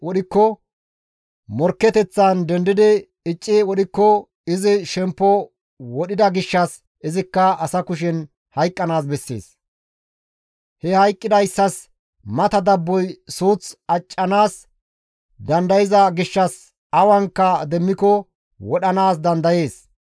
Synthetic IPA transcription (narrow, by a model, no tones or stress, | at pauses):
wɔɗɪkːɔ | mɔɾkːɛt̪ɛt͡sːɐnd̪ɛnd̪ɪd̪ɪ | ɪt͡ʃʼːɪwɔɗɪkːɔ | ɪzɪʃɛmpːɔ | wɔɗɪd̪ɐɡɪʃːɐs | ɪzɪkːɐɐsɐkʊʃ̬ɪn | hɐjkʼːɐnaːs̬bɛsːḛːs | hɛhɐjkʼːɪd̪ɐjsːɐs | mɐt̪ɐd̪ɐbːɔjsuːt͡sɐt͡ʃʼːɐnaːs | d̪ɐnd̪ɐjɪzɐɡɪʃːɐs | ɐwɐŋkːɐd̪ɛmːɪkɔ | wɔɗɐnaːs̬d̪ɐnd̪ɐje̞ːs